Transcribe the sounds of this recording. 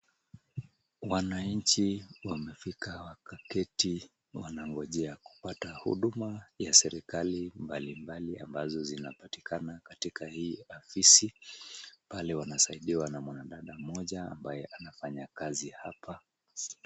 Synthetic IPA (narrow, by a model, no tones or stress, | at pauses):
wanaɲt͡ʃiwamɛfikawakakɛti | wanaŋɡɔʄɛaku̥patahṵɗumajasɛɾikalimbalimbalia̰mbazɔzinapati̥kanakatikahiːafisi | palɛwanasaiɗiwanamwanaɗaɗam̩ɔʄa̰ːmbajɛʔanafaɲakazihapʰa